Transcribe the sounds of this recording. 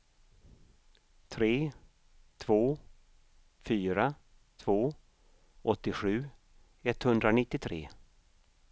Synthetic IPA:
t̪ʰɾeː | t̪ʰvoː | fyːɾa | t̪ʰvoː | ʔɔt̪ːɪɧʉ̟ː | ɛt̪ːhɵnd̪ɾanɪt̪ːɪt̪ʰɾḛː

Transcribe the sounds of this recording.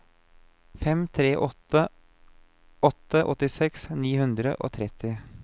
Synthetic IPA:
fɛmt̪ʰɾeːʔɔt̪ə | ɔt̪ːəʔɔt̪ɪsɛksniːhʉnd̪ɾə̰ʔo̰ːt̪ʰɾɛt̪ɪ

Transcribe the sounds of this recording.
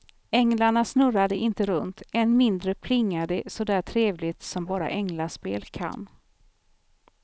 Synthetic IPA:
ɛŋlaɳasnɵɾad̪əʔɪnt̪əɾɵnt̪ɛnmɪnd̪ɾəpʰlɪŋːad̪əsɔd̪æːʈʰɾeːvlɪt̪sɔmbɑːɾa̰ʔɛŋlaspeːlkʰa̰nː

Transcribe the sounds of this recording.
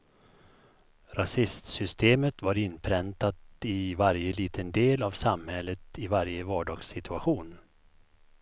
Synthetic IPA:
ɾasɪst̪sʏst̪eːmət̪vaɾɪnːpʰɾɛnt̪at̪ɪvaɾjəliːt̪ʰənd̪eːlavsamhɛlːət̪ɪvaɾjəvɑːɖɑːɡsɪt̪ʰɵaɧuːn

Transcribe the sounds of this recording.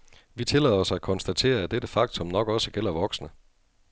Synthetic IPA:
ʋit͡sʰe̝lɛ̰ðˠɒsɑækʰɒ̽nsd̥æt͡sʰe̝̰ːɐæd̥eɾ̥əfɑ̈ɡ̥̚t͡sʰɔ̽mnɒ̽ɡ̥ɒ̽səɡ̥el̰ɐʋɒ̽ɡ̥snə

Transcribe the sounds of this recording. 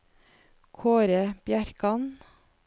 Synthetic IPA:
kʰoːɾəb̥jæɾkɑn

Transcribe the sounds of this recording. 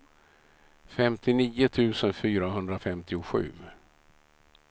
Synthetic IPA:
fɛmt̪ʰɪniːʊt̪ʰʉ̟ːsənfyːɾaɦɵnd̪ɾafɛmt̪ɪʊɧʉ̟̰ː

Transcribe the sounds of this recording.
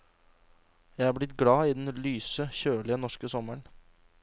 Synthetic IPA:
jæɪæːblɪt̪ɡɽɑːiːd̪ɛnlyːsəçøːɭɪənɔʂkəsɔməɳ

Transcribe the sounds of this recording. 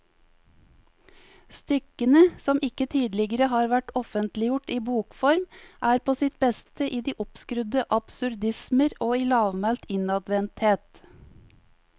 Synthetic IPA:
st̪ʏkənəsɔmɪkət̪ʰiːd̪lɪɡəɾəhɑːɾʋæʈɔfənt̪lɪjʊʈiːbuːkfɔɾmʔæːɾpʰoːsɪt̪̚bɛst̪əʔiːd̪iːʔɔpskɾʉd̪əʔɑb̥sʉɾd̪ɪsməɾoːiːlɑːʋmælt̪ɪnɑd̪ʋɛnt̪heːt̪

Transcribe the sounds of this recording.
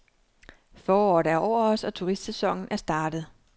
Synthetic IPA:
fɒːɒ̰ːɾæɐʔɒʊ̰ɐɒ̽sɒ̽t͡sʰuʁisd̥sesɒ̽ŋ̰n̩æɐsd̥ɑ̈ːd̥ð̞̩ˠ

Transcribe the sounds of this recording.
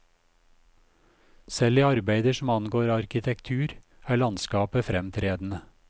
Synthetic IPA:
sɛliːɑɾbæɪd̪əʃm̩ɑnɡoːɾɑɾkɪt̪ʰɛkt̪ʰʉːɾæːɭɑnskɑːpəfɾɛmt̪ʰɾeːd̪n̩ə

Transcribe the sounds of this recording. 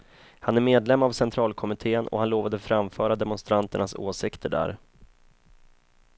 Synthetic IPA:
hanæɾmeːd̪lɛmːavsɛnt̪ʰɾɑːlkʰɔmɪt̪ʰeːənʔɔ̰hanloːvad̪əfɾamfœːɾad̪ɛmɔnst̪ɾant̪əɳaso̰ːsɪkt̪ʰəɖæ̰ɾ

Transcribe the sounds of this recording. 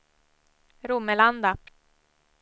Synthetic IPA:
ɾuməland̪a

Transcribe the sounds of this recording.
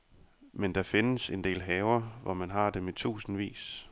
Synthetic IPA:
mend̥ɑ̈fe̝nəse̝nd̥e̝̰ːlɦɛːʊɐʋɒmænɦɑ̈d̥emit͡sʰṵːsn̩ʋḭːs

